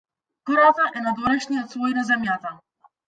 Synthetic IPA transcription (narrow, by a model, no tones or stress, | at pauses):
kɔɾat̪aʔɛnad̪vɔɾɛʃɲɛɔt̪svɔjnazamʲjat̪a